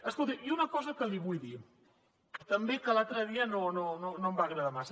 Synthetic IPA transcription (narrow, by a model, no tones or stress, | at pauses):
əskolˠt̪iunəkɔzəkəliβujði | t̪əmbekəlalˠt̪ɾəðiənonononombaɣɾəðamasə